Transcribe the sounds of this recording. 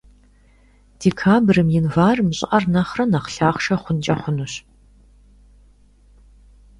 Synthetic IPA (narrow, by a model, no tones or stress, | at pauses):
d̥eːkʰaːbrɨmjɪnvaːrmɨɕʼɪʔɐrnɐχrɐnɐχɬaːχʷʃɐχʷʊnt͡ʃʼɐχʷʊnuɕ